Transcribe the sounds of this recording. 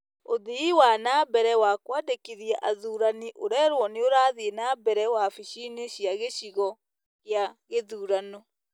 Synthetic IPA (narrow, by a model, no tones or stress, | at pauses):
oðiiwanabɛɾɛwakwadekiðjaʔaðuːɾaniʔoɾɛɾwɔneoɾaːðienabɛɾɛwafiʃineɕjaɣeɕiɣɔ | ɣjaɣeðuːɾanɔ